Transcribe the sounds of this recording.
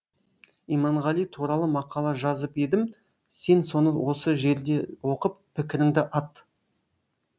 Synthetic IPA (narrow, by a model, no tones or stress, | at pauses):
ijmɑɴʁɑlˠijt̪ʰuɾɑlˠəmɑqɑlˠɑʒɑzəped̪ɪm | se̞nso̞nəwo̞səʒe̞ɾd̪e̞wo̞qəpːɪkʲɪɾɪŋd̪ɪʔɑt̪